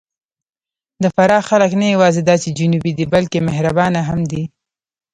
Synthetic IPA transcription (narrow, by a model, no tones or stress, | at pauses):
d̪əfaɾɑxaləknajawɑzed̪ɑt͡ʃed͡ʒʊnubid̪ibalkemɪɦɾabɑnaɦamd̪i